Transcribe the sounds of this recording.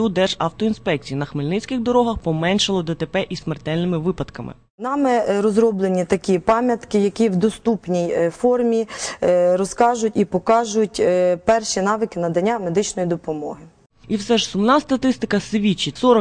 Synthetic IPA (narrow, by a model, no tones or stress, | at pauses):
ud̪ɛʒɑwt̪ɔinspɛk̚t͡sʲijinɐxmɪlʲnɪt͡sʲkɪxd̪ɔɾɔɦɐxpɔmɛnʲʃɐlˠɔd̪ɛt̪epɛʔismert̪ɛlʲnɪmɪʋɪpɐd̪kɐmɪ̰ | nɑmɛɾɔzɾɔblˠenʲit̪ɐkʲipɑmʲjɐt̪kɪjɐkʲiwd̪ɔst̪upnʲijfɔrmʲi | ɾɔskɑʒʊtʲipɔkɑʒʊtʲpɛrʃinɑʋɪkɪnɐd̪ɐnʲːamed̪ɪt͡ʃnɔjid̪ɔpɔmɔ̰ɦɪ | iwsɛʒsʊmnɑst̪ɐt̪ɪst̪ɪkɐsʋʲit͡ʃisɔɾɔ